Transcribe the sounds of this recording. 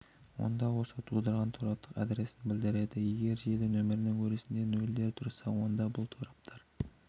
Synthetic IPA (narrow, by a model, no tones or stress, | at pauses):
wo̞̰nd̪ɑwo̞sɑt̪ʰulˠd̪əɾʁɑnt̪ʰoɾɑpt̪ʰːəqɑ̰d̪ɾe̞sɪnbɪld̪ɪɾe̞d̪ɪje̞ɡʲe̞ɾʒe̞ld̪ɪnɵmɪɾɪnɪŋkʲʰɵɾesɪnd̪enɵld̪e̞ɾt̪ʰʊɾsɑwo̞nd̪ɑbʊlˠt̪ʰoɾɑp̚t̪ʰɑɾ